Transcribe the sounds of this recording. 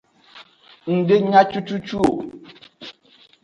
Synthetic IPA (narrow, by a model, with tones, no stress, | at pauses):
n̩˨de˦ɲa˦t͡ʃu˦t͡ʃu˦t͡ʃu˦o˨